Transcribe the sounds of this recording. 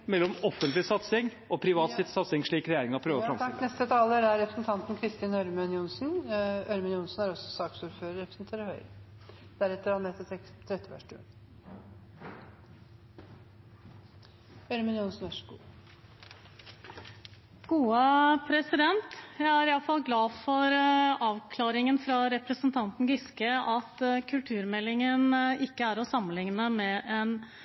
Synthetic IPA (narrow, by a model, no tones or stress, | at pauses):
mɛlːɔmɔfənt̪lɪsɑt̪sɪŋʔɔpʰɾɪʋɑːt̪sɪt̪sɑt̪sɪŋʂɭiːkɾɛjeːɾɪŋɑpʰɾøːʋəɔfɾɑmk̪nɛst̪ət̪ʰɑːləɾæɾɾɛpɾəsn̩t̪ʰɑnt̪n̩kʰɾɪst̪iːnœɾmənjʊnsnœɾmənjʊnsn̩æɾɔsːɔsɑːksuːɾføːɾəɾɛpɾə̥sn̩t̪ʰeːɾəɾhœʏ | d̪̥æɾɛt̪ːəɾhɑnmet̪əɛt̪ʰɾɛt̪ːɪʋæ̰ʂʈʉ̰ːn | hœʏɾəmɛnjuːnsnœʂkṵː | ɡ̥uːəpʰɾɛsɪd̪ɛnt̪jæɪæɾɪɑlfɑlɡlɑːfɔɾɑːʋkʰlɑːɾɪŋənfɾɑɾɛpɾəsənt̪ʰɑnt̪n̩ɡɪskəʔɑt̪kʰʉlt̪ʰʉːɾmɛlːɪŋənɪkːəæɾɔsɑmːənlɪŋnəmɛʔɛn